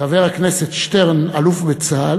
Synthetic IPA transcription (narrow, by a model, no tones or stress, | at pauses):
aveʁakneset̪ʃteʁnalufbet͡sal